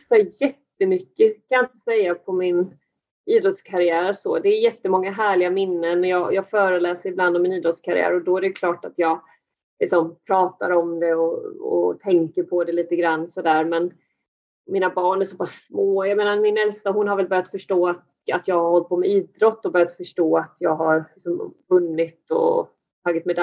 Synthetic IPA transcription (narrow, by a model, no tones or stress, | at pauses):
sɛjɛt̪ːəmʏkːəkʰanjaɪnt̪ə̥sɛjːapʰɔmɪn | iːd̪ɾɔt̪skʰaɾɪæːɾsɔ̰d̪ɛːjɛt̪ːəmɔŋːaɦæːɭɪɡamɪnːənɔjɑːjɑːɡfœːɾəlɛːsəɾɪbland̪ɔmːɪniːd̪ɾɔt̪skʰaɾɪ̰æ̰ːɾɔd̪ɔæɾɛjkʰlɑːʈat̪jɑːɡ | lɪksɔmpʰɾɑːt̪a̰ɾɔmd̪ɛɔɔ̰t̪ʰɛŋkəɾpʰɔd̪ɛliːt̪əɡɾanːsɔd̪æːɾmɛn | mɪnabɑːɳæʂɔpʰasːmoːjameːnaɾmɪnɛlst̪aɦʊnɦaɾvɛlbœːɾjat̪fœʂʈoːat̪ | at̪jɑːɡhaɾhɔlt̪̚pʰɔːmɛiːd̪ɾɔt̪ːɔbœɾjat̪fœʂʈoːat̪jɑːɡɦaɾlɪksɔmvɵnːɪt̪ɔ̰ | t̪ʰaɡːat̪mɛd̪